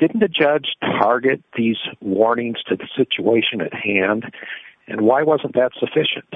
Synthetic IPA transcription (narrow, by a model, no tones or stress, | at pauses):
d̥ɪdⁿn̩ɨd͡ʒʌd͡ʒ̥tʰɑɹɡɨt̪̚ðizwɔɹnɪ̃ŋz̥tʰɨðɨsɪt͡ʃueɪʃɨ̃nɨ̰t̚hæ̃ndʔɨ̰̃nwaɪwʌzə̃nðɨtsəfɪʃɨ̰̃nt̚